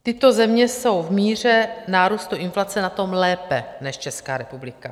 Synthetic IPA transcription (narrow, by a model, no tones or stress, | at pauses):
t̪ɪt̪o̞zɛmɲɛso̞wvmiːr̝ɛnaːɾust̪uʔɪnflat͡sɛnat̪o̞mlɛːpɛnɛʃt͡ʃɛskaːɾɛpublɪka